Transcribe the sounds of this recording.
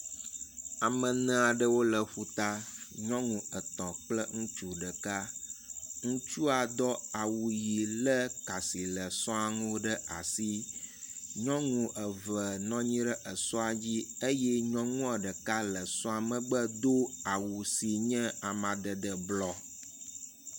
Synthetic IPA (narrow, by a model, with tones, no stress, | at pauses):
a˨mə̃˨nɛ̃˦a˨ɖə˦wo˦lə˨ɸu˦t̪a˦ɲɔ̃˦ŋũ˨ə˨t̪ɔ̃˨k͡plə˦ŋũ˦t͡ʃu˦ɖə˨ka˦ | ŋũ˦t͡ʃu˦a˨d̪ɔ˦a˨wu˨ji˨lə˦ka˨si˨lə˨sɔ̃˦a˨ŋũ˦ɖə˦ʔa˨si˦ | ɲɔ̃˦ŋũ˨ʔə˨və˨nɔ̃˦ɲĩ˦ɖə˦ʔə˨sɔ˦a˨d͡ʑi˦e˦jɛ˦ɲɔ̃˦ŋũ˦a˨ɖə˨ka˦lə˨sɔ̃˦a˨mə̃˨ɡ͡bə˦d̪o˦a˨wu˨si˨ɲɛ̃˦a˨mã˨ɖə˨ɖə˨blɔ˦